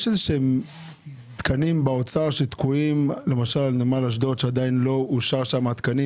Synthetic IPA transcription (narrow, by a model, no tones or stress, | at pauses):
jeʃezeʃeem | t̪kʰanimbeot͡saʁʃet̪kuimle̞maʃalnemalaʃ̬do̞t̪ʃead̪ainlo̞uʃaʁʃamat̪kani